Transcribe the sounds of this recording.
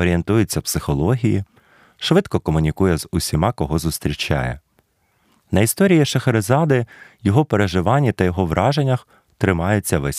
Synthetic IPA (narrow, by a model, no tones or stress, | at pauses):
ɔɾʲie̞nt̪ujʊt͡sʲːɐpsɪxɔlˠɔɦʲiji | ʃʋɪd̪kɔkɔmʊnʲikujɛzʊsʲimɑkɔɦɔzʊst̪ɾʲit͡ʃa̰jɛ̰ | nɐist̪ɔɾʲijiʃɐxeɾezɑd̪ɪjɔɦɔpeɾeʒɪʋɑnʲːit̪ɐjɔɦɔʋɾʔɑʒenʲːɐx | t̪ɾɪmɑjʊt͡sʲːɐʋɛsʲ